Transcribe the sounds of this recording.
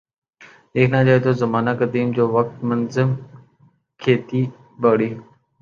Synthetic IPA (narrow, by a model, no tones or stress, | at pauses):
eːkʰnãːd͡ʒaːɦet̪ʰoːzəmaːnakəd̪iːmd͡ʑoːʋək̚t̪mənzɪm | kʰeːt̪iː | bəːɽiːɦ